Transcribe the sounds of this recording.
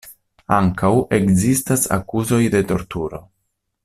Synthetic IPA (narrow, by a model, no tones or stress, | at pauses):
aŋkawe̞kzistasa̰kuzo̞jde̞to̞ɾtuɾo̞